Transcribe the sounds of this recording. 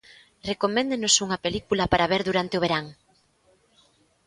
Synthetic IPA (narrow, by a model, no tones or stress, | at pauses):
rekomẽnd̪enosuŋɐpelikulɐpaɾaβeɾðuɾant̪ɪoβ̞eɾaŋ